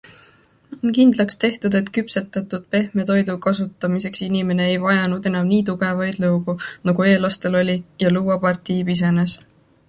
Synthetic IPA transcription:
o̞nkind̪̥lɑkst̪e̞ht̪ud̪̥e̞t̪kypse̞t̪ːˑɑt̪ːˑud̪̥pe̞hme̞t̪o̞jd̪ukɑsut̪ːˑɑmise̞ksinime̞ne̞ejvɑjɑnud̪̥e̞nɑmniːt̪̬uɡ̥e̞vɑjd̪̥lɤwɡunɑɡ̥ue̞ːlɑst̪e̞lo̞lʲijɑluːɑpɑrt̪ˑiːpis̬e̞ne̞s

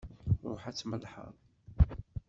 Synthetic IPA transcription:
ʊħat͡sːməlħə̰ɾˤ

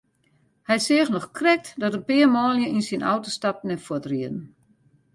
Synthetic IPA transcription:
hɛjsɪəɣnɔxkʰrɛk̚tdɔtənpɪəmɔːljəʔinsinʔa̰wtostap̚nɛfɔtriədn̩

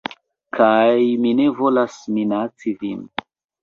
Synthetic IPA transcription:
kʰajmine̞vo̞lasminat͡sivin

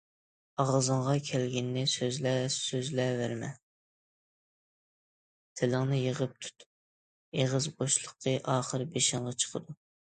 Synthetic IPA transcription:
ɑʁzɨɴʁɑkʲʰɛlɡʲɪnːɪsøzlɛsøzlɛvæɾmɛ̰ | t̪ʰɪlɪŋnɪjəʁəp̚t̪ʰu̥t̪ʰ | eʁəzboʃlˠəqʰːəʔɑːχəɾbeʃɪɴʁɑt͡ʃʰə̥qʰəd̪u

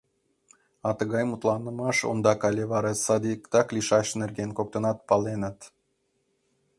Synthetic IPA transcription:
ɑt̪əɣɑjmut̪lˠɑnəmɑʃo̰nd̪ɑkɑlʲeβɑɾɑsɑd̪ikt̪ɑklʲiʃɑʃnerɡenkok̚t̪ə̆nɑt̪̚pɑlenə̆t̪

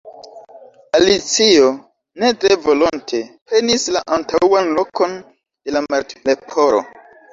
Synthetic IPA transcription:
alit͡sio | ne̞tɾe̞vo̞lontʰe̞pe̞nislaʔantawanlo̞ko̞n | d̥e̞lamaɾtlepʰo̞ɾo̞̰

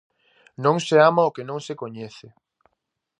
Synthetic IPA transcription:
nõŋseamaokenõŋsekoɲeθɪ

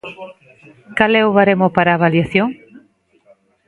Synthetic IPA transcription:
kalɛoβaɾemopaɾaːβaljaθjoŋ

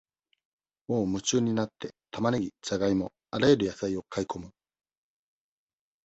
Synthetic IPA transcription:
oːmɯ̟t͡ɕɨːɲ̟inat̪ːe̞t̪ʰamaneɡʲit͡saɡaimo̞ | aɾaeɾɯjasaio̞kʰaiko̞mɯ̟

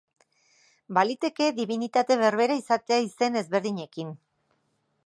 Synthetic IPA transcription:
balit̪e̞ke̞ðiβinit̪at̪e̞β̞e̞ɾβe̞ɾaisat̪eaise̞ne̞zβe̞ɾðiɲe̞kin

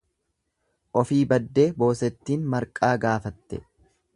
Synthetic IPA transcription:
ʔɔfiːbɐd̪ːe̞ːbo̞ːsɛt̪ːiːnmɐɾkʼaːɡaːfɐt̪ːɛ

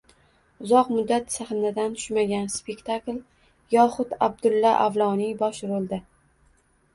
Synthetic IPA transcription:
ʊzɒqmʊd̪ːat̪saχɪnad̪ant̪ʰʊ̥ʃmaɡʲanspekʲt̪ʰakl | jɒχʊt̪ab̚d̪ʊlːaʔavlˠɒnibɒʃɾolˠd̪ɪ

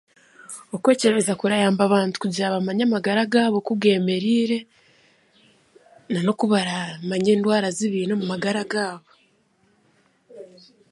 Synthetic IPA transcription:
okwe̞ːce̞ɾβezakuɾajaːmbaβaːntu̥kuɟaːβamaɲamaɡaɾaɡaːβo̞kuɡe̞ːme̞ɾiːɾe̞ | nano̞kuβaɾamaɲe̞ːndwaːɾaziβiːnomumaɡaɾaɡaːβo̞

